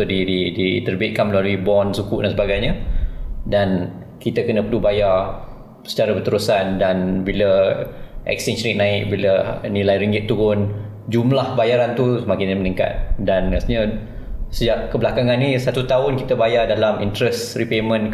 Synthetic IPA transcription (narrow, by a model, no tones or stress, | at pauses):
odididit̪ərbit̪̚kanməlaluibɔnsukuʔdansəbaɡajɲə | dan | kit̪əkənə̃pəɾlubajar | sə̥t͡ʃaɾabərt̪əɾusandanbilə | ʔɛ̰kstɛnsɾik̚nãɪk̚bilənilajɾiŋɡɪt̪ːupʊn | d͡ʒumlahbajaɾant̪usəmakɪnmənĩŋka̰t̪̚danmast̪iɲə | səd͡ʒaʔ̚kəblakaŋãnisat̪ut̪aʊnkit̪əbajardalamint̪ɾɛsripemə̃n